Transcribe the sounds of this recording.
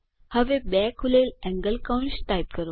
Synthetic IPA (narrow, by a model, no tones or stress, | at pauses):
həʋebɛkʰulelɛ̃ŋɡəlkawɳsʈajp̚kəɾo